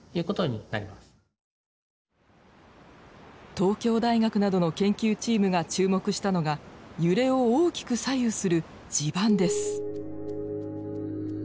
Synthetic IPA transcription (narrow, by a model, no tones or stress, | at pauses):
jɯ̟ːko̞t̪o̞ɲina̰ɾʲimasɨ̥ | t̪o̞ːkʲo̞ːd̪aiɡakɯ̟nad̪o̞no̞kẽ̞ŋkʲɨːt͡ɕiːmɯ̟ɡat͡ɕɨːmo̞kɯ̟ɕi̥t̪ano̞ɡajɯ̟ɾe̞o̞oːkʲi̥kɯ̟sajɯ̟sɨɾɯ̟ | d͡ʑibãnd̪e̞sɨ̥